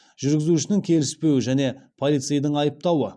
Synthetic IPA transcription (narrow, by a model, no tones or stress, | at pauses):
ʒ̥ʏɾɡʲɪzuʃɪnɪŋkʲʰe̞lɪspe̞wɪʒæne̞pʰo̞lˠijt̪sɨjd̪əɴɑjəp̚t̪ɑwə